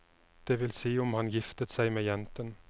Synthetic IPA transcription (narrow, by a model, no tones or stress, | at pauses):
d̪̥eːʋɪlsiːʊmhɑnjɪft̪ət̪sæɪmeːjɛnt̪ən